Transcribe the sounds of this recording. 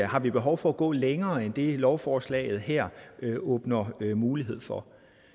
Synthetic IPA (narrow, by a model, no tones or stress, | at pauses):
hɑ̈ʋib̥e̝ɦɒʊfɒ̽æɡ̥ɔ̰̽ːleŋɐːend̥e̝lɒʊfɒːslɛ̰ɪð̩ˠɦɛɐ̰ɔ̽ːb̥nɐmuːliɦe̝ð̞̰ˠfɒ